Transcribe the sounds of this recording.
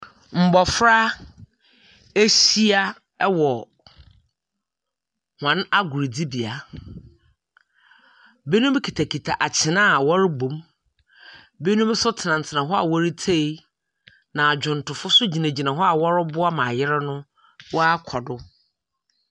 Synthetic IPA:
m̩˨bɔ˨fɾa˦ | e˦ɕi˦a˦ | wɔ˨ | hã˨na˦ɡʊ˨ɾi˨di˦bi˨a˨ | be˦nũ˦m˦kʰi˨tʰa˨kʰi˨tʰa˨ʔa˨t͡ɕʰɪ˨nã˦˨wɔ˦ɾɪ˦ɡ͡bõ˨m | be˦nũ˦m˦sʊ˦tʰɪ˨nã˨n̩˨tʰɪ˨nã˨ɦɔ˦a̰˨wɔ˦ɾi˦tʰe˦i˦ | nã˨a˨d͡ʑᶣʊ̃˨n̩˨tʊ˨fʊ˦sʊ˦d͡ʑi˨nã˨d͡ʑi˨nã˨ɦɔ˦a˨wɔ˦ɾɪ˦bʊ˦a˦mã˨jɪ˦ɾɛ˦nʊ̃˦ | wɔ˦a˦kʰɔ˨dʊ˦

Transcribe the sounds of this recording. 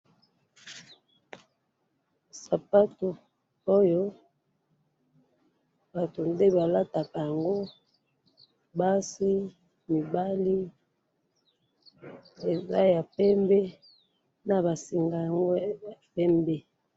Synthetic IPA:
sa˨pa˦to˨ | o˦jo˦ | ba˨to˨nde˦ba˨la˦ta˨ka˨ja˨ŋɡo˦ | ba˦si˦ | mi˨ba˦li˦ | e˨za˦ja˨pɛ˦mbɛ˦ | na˨ba˨si˨ŋɡa˨ja˨ŋɡo˦a˨pɛ˦mbɛ˦

